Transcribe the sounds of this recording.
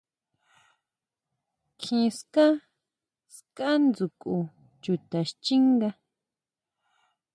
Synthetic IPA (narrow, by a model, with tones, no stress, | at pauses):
kʰĩ˧ska˦ | ska˦nd͡zu˨kʼu˧ | t͡ʃu˨t̪a˨ʃt͡ʃi˦ŋɡa˧